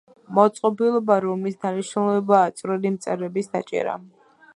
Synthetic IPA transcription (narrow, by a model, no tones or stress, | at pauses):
mɔt̪sʼqʼɔbilˠɔbaɾɔmisd̪aniʃnulˠɛbaːt̪sʼvɾɛlimt̪sʼɛɾɛbisd̪a̰t͡ʃʼɛ̰ɾa̰